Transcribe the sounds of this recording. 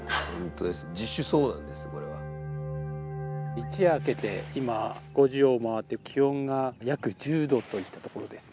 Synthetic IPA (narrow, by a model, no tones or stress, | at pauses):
hõnt̪o̞d̪esɨ̥d͡ʑiɕːɨso̞ːnã̰nd̪e̞sɨ̥ko̞ɾe̞βa | it͡ɕiaːke̞t̪e̞̰imaɡ̥o̞ʑio̞ːmaβat̪ːe̞kʲʰihõ̞ŋɡajakɯ̟d͡ʑɨːd̪o̞t̪o̞it̪ːat̪o̞ko̞ɾo̞d̪e̞sɨ̥